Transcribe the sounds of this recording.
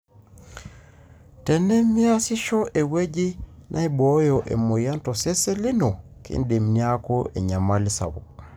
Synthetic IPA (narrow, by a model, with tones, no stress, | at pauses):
tɛ˨nɛ˦mi˦a˦si˦ʃɔ˦ʔɛ˨we˦d͡ʒi˦nʔa˦ɛ˦bɔjɔʔḛ˨mo˨ja˦ntɔ˨sɛ˦sɛ˦li˦nɔ˨kḭ˦ndi˨mnia˦kɔ˦ʔɛ˨ɲa˨mali˦sa̰˨βɔ̰